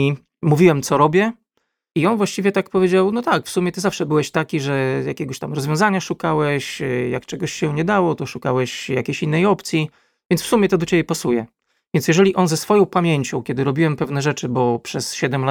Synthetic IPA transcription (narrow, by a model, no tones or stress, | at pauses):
i | muvʲiwɛmt̪sɔɾɔbʲjɛ | iɔnvwaɕt͡ɕivʲjɛt̪akpɔvʲjed͡ʑawnɔt̪akfsumʲɛt̪ɘzafʂɛbɘwɛɕt̪akʲiʐɛja̰kʲɛɡɔɕt̪amɾɔzvʲjɔ̃w̃zaɲaʂukawɛɕjakt͡ʂɛɡɔɕɕɛ̃ɲɛd̪awɔt̪ɔʂukawɛɕjakʲeɕinːɛjɔpt̪sʲji | vʲɛnsfsumʲjɛt̪ɔd̪ɔt͡ɕebʲjɛpasujɛ̰ | vʲjɛnʲjɛʐɛlʲiʔɔnzɛsfɔjɔ̃w̃pamʲjeɲt͡ɕɔ̃w̃kʲɛd̪ɘɾɔbʲiwɛmpɛvnɛʐɛt͡ʂɘbɔpʂɛsɕɛd̪ɛmla